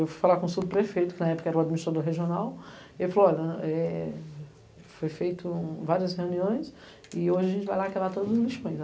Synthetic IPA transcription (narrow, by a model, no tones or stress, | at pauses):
ewfu̥jfalakõsud̪ʊpɾefejt̪ʊ̥kɪnɐɛpʊ̥kɐɛɾɐʊad͡ʒminist̪ɾad̪oɾɦeʒionaw | ewfalejɔʎɛ | fojfejt̪ʊvaɾiɐsheuniõj̃s | ɪoʒɪɐʒẽt͡ʃɪvajlakabat̪od̪ʊzʊzliʃpõj̃s